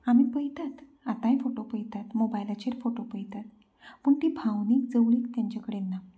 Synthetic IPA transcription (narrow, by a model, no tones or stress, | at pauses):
amiːpəjt̪at̪ | at̪ãjfoʈopəjt̪at̪mobajlat͡ɕeɾfoʈopəjt̪at̪ | məɳt̪iːbʱãwniːkd͡zəwɭikt̪jaɲt͡ɕakəɽenːa